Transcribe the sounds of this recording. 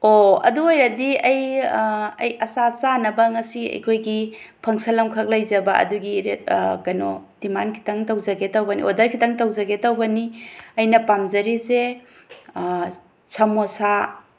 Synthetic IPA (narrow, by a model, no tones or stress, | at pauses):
oɐ̰duojɾɐdiɐj | ɐ̰jɐsasanɐbɐŋɐsiɐ̰jkʰojɡi | pʰɐŋsɐlɐmkʰɐk̚lɐjd͡ʒɐbɐʔɐ̰duɡiɾkɐnod̥imankʰi̥tʰɐŋtɐwd͡ʒɐɡetɐwbɐniʔodɐɾkʰitʰɐŋtɐwd͡ʒɐɡetɐwbɐniɐjnɐpamzɐɾise | t͡ʃʰɐmosa